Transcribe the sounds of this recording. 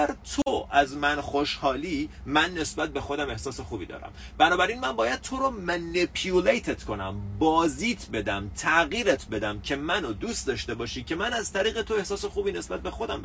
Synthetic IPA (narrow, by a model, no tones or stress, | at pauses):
æɾt̪ʰoʔæzmænxoʃhɒːliːmænːe̞sbæt̪̚be̞xo̞d̪æme̞hsɒːse̞xuːbiːd̪ɒ̰ːɾæ̰m | bænɒːbæɾiːnmænbɒːjæd̪̥̚t̪ʰoɾomænipʰjulejt̪ʰet̪kʰo̞næ̰mbɒːziːt̪ʰbe̞d̪æmt̪ʰæɣiːɾet̪ʰbe̞d̪æmcʰe̞mænod̪ust̪d̪ɒːʃt̪e̞bɒːʃiːcʰe̞mænæz̥t̪ʰæɾiːɣe̞t̪ʰo̞e̞hsɒːsexuːbiːne̞sbæt̪̚be̞xo̞d̪æm